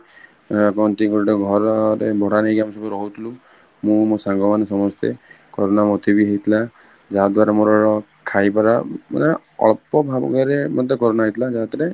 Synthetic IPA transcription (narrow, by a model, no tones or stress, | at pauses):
kɔnt̪iɡɔɾʈɔɡʱɔɾɔɾḛbʱɔɽ̤aneɡamsɔbɔɾɔɦut̪ʰilu | mũmosaŋɡɔmanesɔmɔst̪ʰḛ | kɔɾonamot̪ʰibiɦet̪ʰila | d͡ʒaɦad̪waɾamoɾɔɾɔ | kʰajpaɾamɔ̰ne | ɔ̰ɭɔpɔbʱabɡɔɾemɔt̪ekɔɾonaɦet̪ʰilad͡ʒaɦat̪ɾe